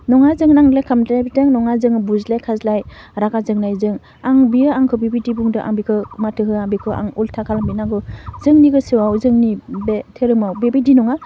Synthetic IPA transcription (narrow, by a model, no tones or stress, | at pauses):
nɔŋazɯŋnaŋlajkʰamtlajbitɯŋnɔŋazɯŋbuzlajkʰazlaj | ɾaɡazɯŋnajzɯŋ | aŋbiɯaŋkʰɯbibidibuŋdɯʔa̰ŋbikʰɯmatʰɯɦɯaŋbikʰɯʔa̰ŋultʰakʰalambinaŋɡɯzɯŋniɡɯsɯwawzɯŋnibetʰeɾɯmawbebidinɔŋa